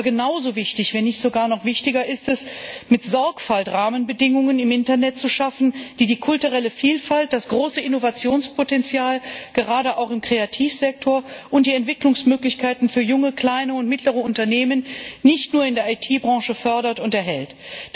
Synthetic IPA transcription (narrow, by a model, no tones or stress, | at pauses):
ɡənaʊzoːvɪçtɪçv̥ɛnːɪçtz̥oɡaːɐnɔχv̥ɪçtɪɡɐʔɪstɛsmɪtz̥ɔɐkfaltʁaːmənbədɪŋʊŋənɪmʔɪntɐnɛtt͡suʃafn̩d̥iːdiːkʰʊltuʁɛləfiːlfalt̚d̥asɡ̥ʁoːsəʔɪnovat͡sjoːnspʰotɛnt͡sjaːlɡ̥əʁaːɾəʔaʊxɪmkʁ̥eatʰiːfz̥ɛk̚tʰoːɐʔʊnt̚d̥iːɛntv̥ɪklʊŋsmøːklɪçkʰaɪtn̩fyːɐjʊŋəkl̥aɪnəʊntmɪtləʁ̞əʊntɐneːmənnɪçtnuːɐɪndeɐʔaɪtʰiːbʁɑ̃ːʃəfœɐɾɐtʊntɛɐɦɛlt